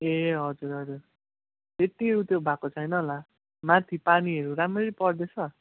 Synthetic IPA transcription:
eɦʌd͡zuɾɦʌd͡zur | et̪ːiut̪jobʱakot͡sʰʌjnʌla | mat̪ʰipaniʌɾuɾamreɾipʌrd̪et͡sʰʌ

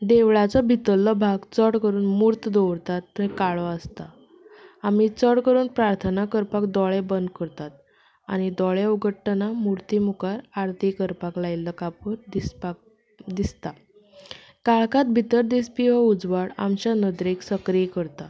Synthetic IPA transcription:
d̪eʋɭat͡sɔbʱit̪əlːəbʱaɡt͡səɽkəɾuːnmuɾt̪d̪oʋɾt̪at̪ːəɾkaɭɔəst̪a | amit͡səɽkəɾuːnpɾaɾt̪ʰənakəɾpakd̪ɔɭebənd̪̚kəɾt̪at̪̚ | a̰ñid̪ɔɭeuɡəʈːnamuɾt̪imukaɾaɾt̪ikəɾpaklailːəkapəɾd̪ispa | d̪ist̪a | kaɭkat̪̚bʱit̪əɾd̪ispiʋəud͡zʋaɽa̰mt͡ɕjanəd̪ɾeksəkɾijekəɾt̪a

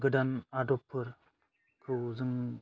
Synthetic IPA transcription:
ɡɯdanadɔpʰːɯɾ | kʰɯwzɯŋ

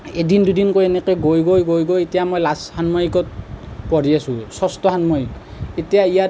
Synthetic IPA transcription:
edindudinkojɛnɛkɔjɡojɡojɡojɡojetijamojlashanmɔjikɔt̚pɔɹiasũsɔstɔɦanmɔjiketijaija

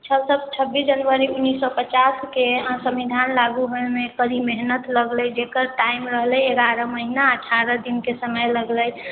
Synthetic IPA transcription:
t͡ʃʰəlsəb̚t͡ʃʰəbːisd͡ʒənʋəɾiunːisːɔpət͡ʃaskesə̃mʋid̪ʱanlaɡuɦoemekəɾimeɦnət̪ləɡlɛjd͡ʒekəɾʈaimɾəɦlɛeɡaɾəməɦinaəʈʰaɾəd̪inkesəməjləɡləj

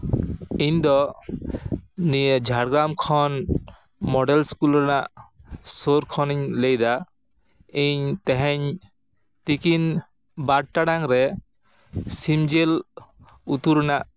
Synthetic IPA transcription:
iɲd̪ɔ | nijed͡ʒʱaɽɡɾamkʰɔn | mɔɖɛlskulɾɛnaʔsoɾkʰɔniɲlejd̪a | iɲt̪ɛɦɛɲ | t̪ikin | baɽ̚ʈaɽaŋɾɛ | simd͡ʒɛl | ut̪uɾɛnaʔ

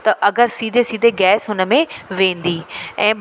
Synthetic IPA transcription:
t̪ɐʔɐɡəɾsiːd̪ʱesiːd̪ʱeɡɛːsɦʊnə̆mẽʋẽːn̆d̪iːɛ̃ː

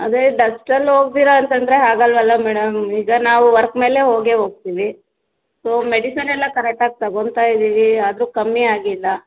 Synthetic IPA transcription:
ɐ̰d̪eɖɐsʈɐlːɦo̞ːɡ̚d̪iːɾɐːnt̪ɐnd̪ɾe̞ɦaːɡɐlʋɐlːɐmɛːɽɐmiːɡɐnaːʋuʋɐɾkme̞ːle̞ɦo̞ːɡe̞ɦo̞ːɡ̚t̪iːʋi | soːme̞ɽisɐnɛlːɐkɐɾek̚ʈaːɡ̚t̪ɐɡo̞nd̪t̪aːjid̪iːʋiaːd̪ɐɾukɐmːiaːɡilːɐ

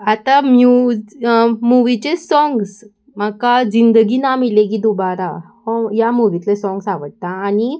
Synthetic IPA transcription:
at̪amju | muʋit͡ɕesɔŋɡs | makad͡ʑind̪əɡinamilekid̪ubaɾa | hɔ̃jamuʋit̪lesɔ̃ŋɡsaʋəʈ̚t̪aːni

